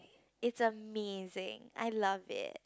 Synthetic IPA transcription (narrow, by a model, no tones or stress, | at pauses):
ɪtsəmezɪ̰̃ŋa̰ɪlʌvɪ̰t